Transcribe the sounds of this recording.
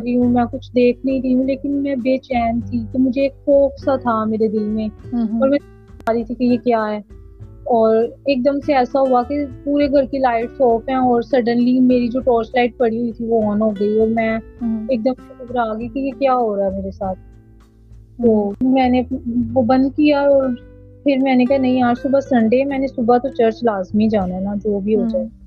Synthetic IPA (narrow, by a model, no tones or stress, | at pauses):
ɾiũmɛ̃kʊt͡ʃʰd̪eːkʰnɐɦĩɾəiɦũleːkɪnmɛ̃beːt͡ʃɛːnt̪ʰik̪omʊd͡ʒʱeeːkfɔːksat̪ʰameːɾed̪ɪlmẽɔːɾmɛ̃ː | aːɾit̪ʰikijekjaːɦɛː | ɔːɾeːk̚d̪əmseɛːsaɦuakepuːɾeɡʱɐɾkilaːɪʈsɔːfɦɛ̃ːɔːɾsɐɾɖənlimeːɾid͡ʒoːʈɔːɾslaːɪʈ̚pɐɽiɦuit̪ʰiʋoɦoːnɦoːɡəiɔːɾmɛ̃ːeːk̚d̪əmsexʊbɾaːɡəikejekjaːɦoːɾaːɦɛmeːɾesaːt̪̚ʰ | t̪oːmɛ̃ːneʋobɐ̃nd̪kijaɔːɾ | pʰɪɾmɛ̃ːnekaɦanɐ̃ɦĩɦaːɾsʊbʱasɐ̃ɳɖemɛ̃ːnesʊbat̪ot͡ʃəɾt͡ʃlaːzmid͡ʒaːnaɦɛnad͡ʒoːbʱiɦoːd͡ʒaː